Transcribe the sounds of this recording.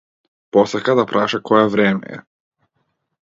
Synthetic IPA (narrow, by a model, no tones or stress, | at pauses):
posekad̪apɾʔaːʃakojaʋɾeːmḛjḛ